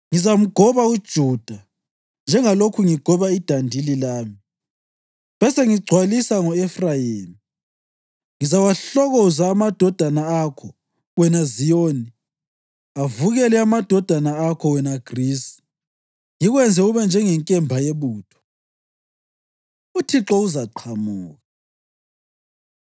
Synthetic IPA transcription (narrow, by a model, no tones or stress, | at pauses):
ŋizam̩ɡ̥ʱɔβaud̥ʒ̥ʱuːd̥ʱa | nd͡ʒʱɛŋalokʰuŋiɡ̥ʱɔβaid̥ʱandʱililaːmi | βɛsɛŋiɡ͡ǀʱwalisaŋɔɛfrajeːmi | ŋizawaɬɔɣɔzaːmad̥ʱɔd̥ʱanaakʰɔ | wɛnazijoːni | avuɣɛlɛamad̥ʱɔd̥ʱanaakʰɔwɛnaɡ̥risi̥ | jiɣwɛnd͡zʱɛuβɛnd͡ʒʱɛŋɛŋkʼɛmbʱajeβuːtʰɔ̥ | utʰiǁɔuzaǃʰamuːɣa